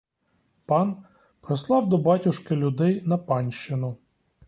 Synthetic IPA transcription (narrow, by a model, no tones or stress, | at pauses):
pɑn | pɾɪslˠɑwd̪ɔbɑtʲʊʃkɪlʲʊd̪ɛjnɐpɑnʲʃt͡ʃɪnʊ